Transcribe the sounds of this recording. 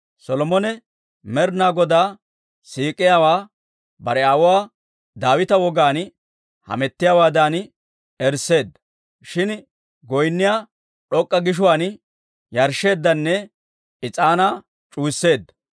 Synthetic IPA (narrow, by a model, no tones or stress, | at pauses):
sɔlɔmɔnɛ | mɛɾnaːɡɔd̪aː | siːkʼːɪjaːwaː | bɐɾɛawʊwaː | d̪aːwɪt̪ɐwɔɡaːn | hɐ̰mɛt̪ːɪjaːwaːd̪aːn | ɛɾse̞ːd̪ːɐ | ʃɪn | ɡɔjnːɪjaː | ɗɔkʼːɐɡɪʃ̬ʊwaːn | jɐɾʃe̞ːd̪ːɐnːɛ | ɪt͡sʼaːnaː | t͡ʃʼuːsːe̞ːd̪ːɐ